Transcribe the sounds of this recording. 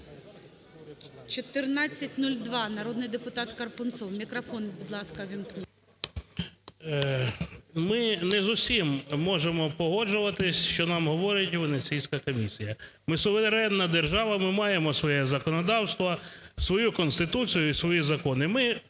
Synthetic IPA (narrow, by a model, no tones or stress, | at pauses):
t͡ʃɔt̪ɪrnɑt͡sʲːɐtʲnulʲd̪ʋɑnɐɾɔd̪nɪjd̪epʊt̪ɑt̪kɐrpʊnsɔwmʲikɾɐfɔnbʊd̪lˠɑskɐʋʲinknʲi | mɪnɛzʊsʲimːɔʒemɔpɔɦɔd͡ʒʊʋɐt̪ɪsʲʃt͡ʃɔnɑmɦɔʋɔɾɪtʲʋenet͡sʲijsʲkɐkɔmʲisʲijɐ | mɪsʊʋeɾɛnːɐd̪erʒɑʋɐmɪmɑjemɔsʋɔjɛzɐkɔnɔd̪ɑwst̪ʋɐsʋɔjukɔnst̪ɪt̪ut͡sʲijʊisʋɔjizɐkɔnɪmɪ